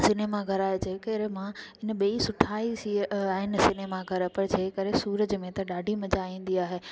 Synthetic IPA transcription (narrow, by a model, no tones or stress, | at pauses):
sɪneːmaɡʱɐɾaːɦed͡ʑeːkəɾemãɪnə̆ɓiisʊʈʰaːisiaːɦɪnɪ̆sɪneːmaɡʱɐɾpɐɾd͡ʑeːkɐɾesuːɾəd͡ʑmẽt̪ɐɗaːɖʱimɐd͡ʑaĩːn̆d̪iaːɦeː